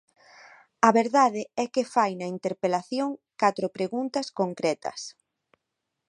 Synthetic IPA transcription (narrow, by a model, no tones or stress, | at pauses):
ɐβeɾðað̞ɪɛkɪfajnɐint̪eɾpelaθjoŋkat̪ɾopɾeɣunt̪ɐskoŋkɾɛt̪ɐ̰s